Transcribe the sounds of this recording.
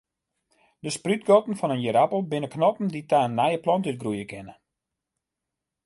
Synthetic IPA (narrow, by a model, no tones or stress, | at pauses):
dəsprytɡɔtn̩fɔnənjəɾapəlˠbɪnəknɔpn̩ditaːnːajəplɔntyt̚ɡrujəkɪnə